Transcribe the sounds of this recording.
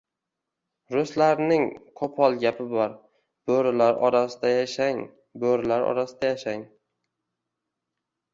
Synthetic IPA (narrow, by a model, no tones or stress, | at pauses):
ɾʊslaɾnɪŋqʰopʰɒlˠɡʲapʰɪbɒɾ | b̥oɾɪlaɾʔɒɾasɪd̪ajaʃaŋ | boɾɪlaɾɒ̰ɾasɪd̪ajaʃaŋ